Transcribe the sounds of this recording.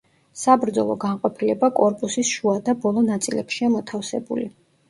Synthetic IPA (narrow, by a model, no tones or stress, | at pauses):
sabɾd̪zɔlˠɔ̰ɡaɴqʼɔpʰilɛbakʼɔɾpʼusisʃuad̪abɔlˠɔnat̪sʼilɛpʃiamɔt̪ʰafsɛbṵli